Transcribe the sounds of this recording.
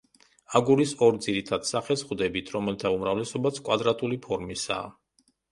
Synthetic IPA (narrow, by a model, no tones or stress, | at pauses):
aɡuɾisɔɾd̪ziɾit̪ʰad̪̥saχɛsχwd̪ɛbit̪ʰɾɔmɛlt̪ʰaumɾavlɛsɔbasʰkʼwad̪ɾat̪ʼulipʰɔɾmisa̰ː